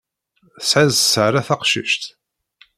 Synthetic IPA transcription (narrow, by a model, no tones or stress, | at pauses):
əsʕizsəʕɾaθaqʃə̰ʃt̪